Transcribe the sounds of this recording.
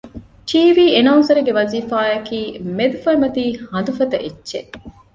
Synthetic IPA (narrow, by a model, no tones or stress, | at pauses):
ʈiːʋiːenɐwnsɐɾuɡeʋɐziːfaːɐkiːmed̪ufɐimɐt̪iːhɐnd̪ufɐt̪ɐʔitːʃḛ